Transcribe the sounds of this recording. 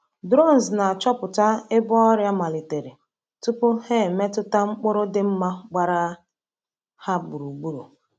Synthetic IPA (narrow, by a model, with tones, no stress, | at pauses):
dɾɔ˦˨n̩˨zna˨a˨t͡ʃɔ˦pʊ˨ta˦ɪ˦bɔ˦ɔ˦ɾja˦ma˨li˨te˨ɾi˨ | tu˦pʊ˦he˦˨me˦tʊ˦ta˦ŋ͡m̩˦k͡pʊ˦ɾʊ˦dɪ˦m̩˦ma˦ɡ͡ba˦ɾa˦ | ha˦bu˨ɾu˨ɡ͡bu˦ɾṵ˨